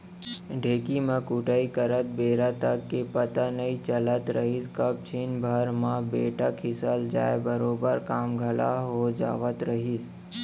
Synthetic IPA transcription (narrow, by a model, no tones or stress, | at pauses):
ɖʱeːkimãkuːʈaːikəɾət̪̚beːɾat̪əkːepət̪anəit͡ʃələt̪ɾəɦiskəb̚t͡ʃʰɪnbʱəɾmãbeːʈəkʰɪsəld͡ʒa̰ːebəɾoːbəɾkaːmɡʱəla̰ɦod͡ʒa̰ːʋət̪ɾəɦis